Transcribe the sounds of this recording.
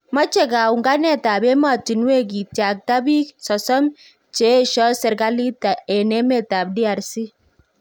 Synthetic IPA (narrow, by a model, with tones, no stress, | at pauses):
ma˦t͡ʃɛ˨ka˨u˨ŋɡa˦nɛ˦˨ta˨bɛ˦ma˨ti˨nwe˦k̬i˨tja˨k̚ta˦bi˦ksɔ˨sɔ˦m | t͡ʃe˦ʃɔ˦sɛ˨ɾka˦li˦ta˨ɛ˨nɛ˦mɛ˦ta˨b̚di˦a˨ɾsi˦